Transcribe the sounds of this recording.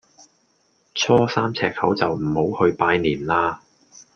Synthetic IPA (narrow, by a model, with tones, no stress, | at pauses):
t͡sʰɔː˥saː˥mt͡sʰɛː˧k̚hɐ˨˥wt͡sɐ˨wm̩˨˩ho˨˥whɵ˧ɥpaː˧jniː˨˩nlaː˧